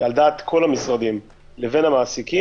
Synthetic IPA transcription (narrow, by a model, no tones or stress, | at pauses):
ald̪aːt̪kʰo̞lamisʁad̪im | leve̞namaːsiki